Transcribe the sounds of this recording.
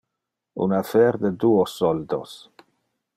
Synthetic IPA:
ṵnafeɾd̪ed̪uosːɔld̪o̰s

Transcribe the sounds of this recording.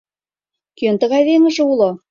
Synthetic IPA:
kønt̪ɤ̆ɣɑjðeŋɘ̆ʒĕulo

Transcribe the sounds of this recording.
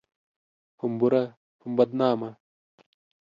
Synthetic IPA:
humbuɾɐ | humbɐd̪̚naːmɐ

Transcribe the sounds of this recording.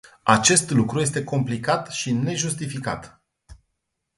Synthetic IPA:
at͡ʃe̞st̪lukɾujes̬t̪e̞ko̞mplikat̪ʃine̞ʒust̪ifika̰t̪

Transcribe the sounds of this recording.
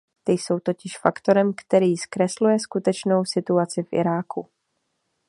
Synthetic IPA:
t̪ɪjso̞wt̪ocɪʃfakt̪o̞ɾɛmkt̪ɛɾiːskɾɛslujɛskut̪ɛt͡ʃno̞wsɪt̪uat͡sɪfʔɪ̰ɾaːkʰu

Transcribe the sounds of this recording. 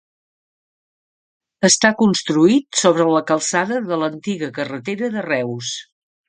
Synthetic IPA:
əst̪akunst̪ɾuit̪soβɾələkəlˠsaðəðələnt̪iɣəkərət̪eɾəðərɛws

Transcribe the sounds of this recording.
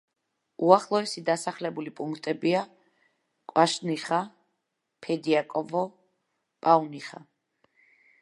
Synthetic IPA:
uaχlˠɔɛsid̪asaχlɛbulipʼuŋkʰt̪ʼɛbia | kʼwaʃniχa | pʰɛd̪iakʼɔvɔ | pʼauniχa

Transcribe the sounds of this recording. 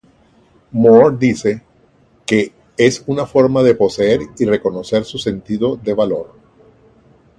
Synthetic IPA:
moɾd̪ise̞ | ke̞ | esunafo̞ɾmaðe̞po̞seeɾire̞ko̞no̞se̞ɾsuse̞nt̪iðo̞ðe̞βalo̞ɾ

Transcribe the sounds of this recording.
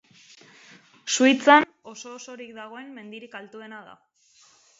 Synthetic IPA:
suit͡san | o̞so̞ːso̞ɾikd̪aɣo̞e̞mːe̞nd̪iɾikalt̪ue̞nað̞a̰

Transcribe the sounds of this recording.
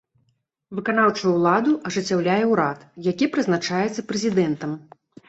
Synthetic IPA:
vɨkanawt͡ʂujuwlˠad̪uʔɐʐɨt͡sʲːawlʲajɛwɾat̪jakʲipɾɨznat͡ʂajɛt̪sːɐpɾɛzʲid̪ɛnt̪ɐm

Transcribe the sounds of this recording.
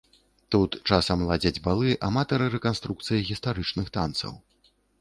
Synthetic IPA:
t̪ut̪t͡ʂasɐmlˠad͡zʲɐd͡zʲbalˠɨʔamat̪ɐɾɨɾɛkanst̪ɾuk̚t̪sɨjɐɣʲist̪aɾɨt͡ʂnɨxt̪ant̪sɐ̰w

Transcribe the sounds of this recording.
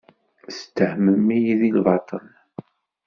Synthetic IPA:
st̪ːəhməmːijðilvɑt̪ˤən

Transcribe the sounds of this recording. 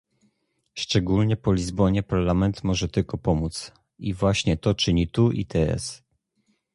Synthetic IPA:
ʂt͡ʂɛɡulɲɛpɔlʲizbɔɲɛpaɾlamɛnt̪mɔʐɛt̪ɘlkɔpɔmut̪s | ivwaɕɲɛt̪ɔt͡ʂɘɲit̪uʔḭt̪ʰɛɛ̰s

